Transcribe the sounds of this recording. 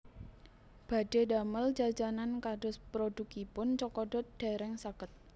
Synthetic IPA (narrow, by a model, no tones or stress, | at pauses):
b̥ad̥edaməld͡ʒad͡ʒanankaɖʊ̤spɾod̥ukipʊnt͡ʃɔkɔɖɔt̪̚d̥eɾɛŋsakət̪̚